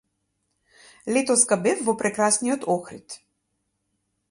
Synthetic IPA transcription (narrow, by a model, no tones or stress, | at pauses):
lɛt̪ɔskabɛfvɔpɾɛkɾasnijɔt̪ɔxɾit̪